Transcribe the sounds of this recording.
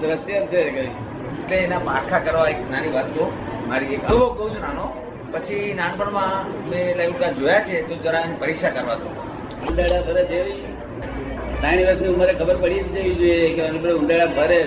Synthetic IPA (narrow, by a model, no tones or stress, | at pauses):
d̪ɾəsijəmt͡ʃʰekəi | ʈleːnamaɾkʰakəɾʋaeknaniʋat̪ːomaɾiekəʋobəũd͡ʒnano | pət͡ʃʰinãnpəɳmã | melajud̪ad͡ʒojat͡ʃʰet̪od͡ʒəɾanipəɾikʃakəɾʋat̪o̰ | und̪aɽabʱəɾed͡ʒ̪eʋi | t̪añiʋəsnimaɾɛkʰəbəɾpəɽid͡ʒeʋid͡ʒojekeənibəɽeũnd̪aɽabʱəɾe